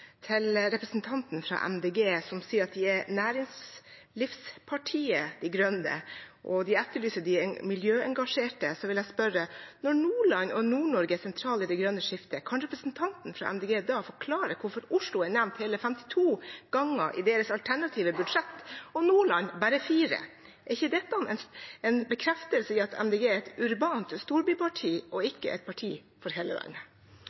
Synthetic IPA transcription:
t̪ʰɪlɾɛpɾəsnt̪ʰɑnt̪nfɾɑ̰ʔɛ̰md̪eːɡeːsɔmsiːəɾɑt̪d̪ɪænæːɾɪŋslɪfspʰɑʈʰiːəd̪ɛɡɾœnə̰ʔɔd̪ɪɛt̪ːəɭyːsəɖɪɛmɪljøːɛŋɡɑʂeːʈəsɔʋɪljæspœɾənɔɳuːɭɑnɔnuːɳɔɾɡəæsɛnt̪ʰɾɑːlɪd̪ɛɪɡɾœnːəʂɪft̪əkʰɑnɾɛpɾəsnt̪ʰɑnt̪n̩fɾɑ̰ʔɛ̰md̪eːɡeːd̪ɑfɔɾkʰlɑːɾəkʰʊɾfɔɾʊʂlʊæɳæʋnt̪heːləfɛmt̪ɪ̥t̪ʰuːɡ̥ɑŋːəʔɪ̰d̪eːɾəsɑlt̪ʰæɳɑt̪ʰiːʋəbʉd̪ʂɛt̪ːɔnuːɭɑnbæːɾəfiːɾə̰ | ɛɾɪçːəd̪ɛt̪ːɑnɛnɛnbəkʰɾɛft̪əlsɪɑt̪ʰɛ̰md̪eːɡeːɛt̪ʉɾbɑːnt̪st̪uːɾbyːpʰɑʈʰiːʔɔɪkːə̰ʔɛ̰t̪̚pʰɑʈʰiː | fɔɾɦeːləʋæ̰ɪnə

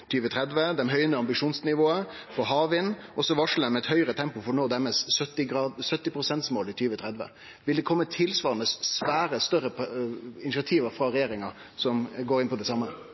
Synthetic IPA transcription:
t̪ʰyːʋət̪ʰɾɛd̪ʋəd̪ɛnɦœʏənəɑmbɪʂuːnsnɪʋoːəfɔɦɑːʋɪnʔɔsɔʋɑʂl̩ənmɛt̪hœʏɾət̪ʰɛmpʊfɔnoːd̪æɾmɛːssœt̪ːɪɡɾɑːsœt̪ːɪpɾʊsɛnt̪smoːlɪt̪ʰyːʋət̪ʰɾɛd̪ʋə̰ | ʋɪld̪ɛkʰɔmːət̪ʰɪlsʋɑːɾənəssʋæːɾəst̪œɾəɪnɪt͡ʃɑt̪ʰiːʋəfɾɑɾɛjeːɾɪŋɑ | sɔmɡoːɾɪnpɔd̪ɛsɑmːə

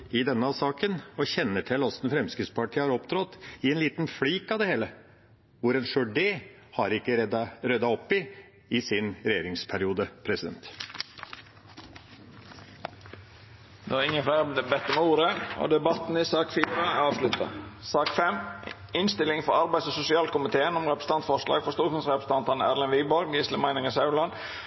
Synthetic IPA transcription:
ɪd̪ɛnːəɑsɑːkənɔçɛnːəʈʰɪlɔsnfɾɛmskɾɪt̪spɑʈʰiːəhɑɾɔpd̪ɾɔt̪ːɪɛnliːt̪nfliːkɑʋd̪ɛheːlə | ʋʊɾɛnʂøɖeː | hɑɾɪkːəɾœd̪ɑɔpːɪ | ɪsɪnɾɛjeːɾɪŋspʰæɾɪuːd̪əpʰɾɛsɪd̪ɛ̰nt̪ | d̪ɛæɪŋːənflæɪɾəd̪ɛbɛt̪ːɔmɛuːɾəo̰d̪ɛbɑt̪n̩ɪsɑːkfiːɾɑɑːʋʂlʉt̪ʰɑ̰sɑːkfɛmɪnst̪ɪlɪŋfɔɾɑɾbæɪsɔsʊsɪɑːlkʊmɪt̪ʰeːənɔmʁɛpɾəs̩əɑnt̪fɔʂlɑ̰ːɡ̥fɔɾst̪uːɾkʊnsʁɛpɾəsəɑnt̪ɑnəæʁlɛnʋiːbɔɾɡiːsləmæɪnɪŋəsɑʉlɑn

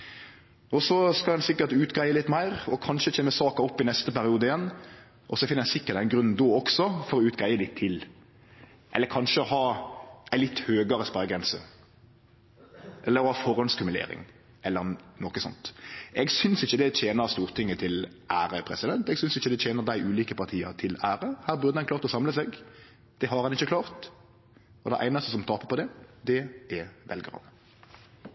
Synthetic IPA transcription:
ɔsɔskɑlɛnsɪkːəɾt̪ʉːt̪ɡɾæɪəlɪt̪ːmæɪʁɔkʰɑnʃət͡ʃʰeːnəsɑːkɑɔpːɪnɛst̪əpæɾɪuːd̪əɪjɛnː | ʔɔsɔfɪnːəjɛæsɪkːət̪̚d̪ɛnɡɾʉnn̩d̪oːɔksɔfɔɾɔʉːt̪ɡɾæɪəlɪt̪ʰːɪl | ʔɛ̰lːəkʰɑnʃəɔhɑːʔæɪlɪt̪ːhøːɡəɾəspæʁɡɾɛnsə | ʔɛlːəɾɔhɑːfɔɾɔnskʉmʉlḛːɾɪ̰ŋ | ʔɛlːəʁnɔkəsɔ̰nt̪ɛɡsʏnsɪçːəd̪ɛt͡ɕʰeːnəʁst̪uːʁt̪ʰɪŋːət̪ʰɪl | ʔæːɾəpʰʁɛsɪd̪ɛnt̪ɛɡsʏnsɪçːəd̪ɛt͡ɕʰeːnəʁd̪æɪʔʉːliːkəpɑʁt̪ʰiːə̰ʁt̪ʰɪlæːʁəhæːɾbʉʁd̪ədɑnkʰlɑːʁt̪ɔsɑmləsɛɡ | d̪̥ɛɦɑɾhɑnɪçːəklɑːʁt̪ | ɔd̪ɛʔæ̰ɪnɑst̪əsɔmt̪ʰɑːpəpʰɔd̪ɛd̪ɛɛʋɛlɡəʁhɑ̰n

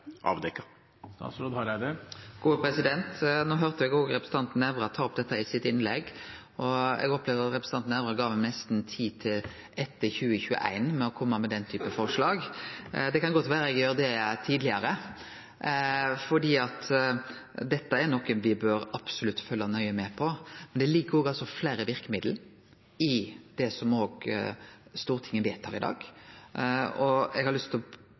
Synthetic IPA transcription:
ʔɑ̰ːʋd̪ɛkːɑ | st̪ɑ̰ːt̪sɾoːd̪hɑɾd̪əɡ̥uːəpʰɾɛsɪd̪ɛnt̪noːɦøɾt̪əʋɛɡoːɡɾɛpɾəsəɑnt̪n̩ɛʋɾɑt̪ʰɑːɾɔp̚d̪ɛt̪ːəɪsɪt̪ɪnlɛɡ | ɔɛ̰ɡɔpleːʋd̪əɾɑt̪ɾɛpɾəsɑnt̪n̩æʋɾɑɡɑːʋɛnɛst̪n̩t̪ʰiːt̪ʰɪl | ɛt̪ːəçʉːəçʉə̰ʔæ̰ɪnmɛɔkʰɔmːəmɛd̪ɛnt̪ʰyːpəfɔɾʂlɑːɡd̪ɛkɑnɡɔt̪ʋæːɾəɛɡjøːɾəd̪ɛt̪ʰiːd̪lɪəɾə | fɔɖiːɑt̪ | d̪ɛt̪ːəɛɾnɔkːənʋɪbøːɾɑpsʊlʉt̪ːfœlːɑnœʏəmɛpʰɔmɛnd̪ɛlɪɡːəɾoːɡɑlsɔflæːɾəʋɪɾkəmɪd̪l̩ | ɪd̪̥ɛsɔmoːɡ | st̪uːɾət̪ʰɪŋːəʋæɪt̪ʰhɑːʁɪd̪ɑ̰ːɡ | ɔɛɡhɑɾlʏst̪ʰlɔ

